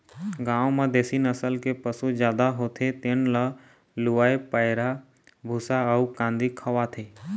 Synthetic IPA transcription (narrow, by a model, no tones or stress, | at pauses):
ɡãːʋomãd̪esinəsəlkepəsud͡ʒjaːd̪aɦot̪ʰet̪enla | luaːepəjɾa | bʱusaəukãːnd̪ikʰəʋat̪ʰe